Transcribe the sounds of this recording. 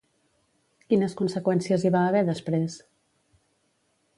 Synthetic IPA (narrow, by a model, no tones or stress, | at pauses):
kinəskunsəkwɛnsiəziβaːβɛðəspɾes